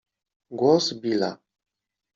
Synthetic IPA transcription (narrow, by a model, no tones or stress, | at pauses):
ɡɔsbila̰